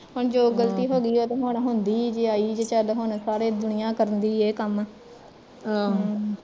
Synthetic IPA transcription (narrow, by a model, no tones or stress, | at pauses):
ɦʊɳd͡ʒoːɡəlt̪iːɦoːɡiːoːt̪ẽːɦʊɳɦʊnd̪iːd͡ʒeːaːiːd͡ʒeːt͡ʃəlɦʊɳsaːɾeːd̪ʊɳɪjãːkəɾənd̪iːeːkəm